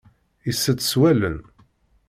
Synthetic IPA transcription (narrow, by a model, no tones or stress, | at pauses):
isːət͡s̪ːswælə̰n